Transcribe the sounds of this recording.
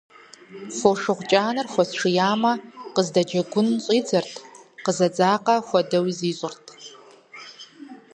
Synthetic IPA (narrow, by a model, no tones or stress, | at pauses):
foʂɨʁʷt͡ʃʼaːnɨrxʷɔsʂɨjaːmɐqəzdɐd͡ʒɐɡʷʊnɕʼiːd͡zɐrtʰqəzɐd͡zaːqɐxʷɔdɐwiziːɕʼʊrtʰ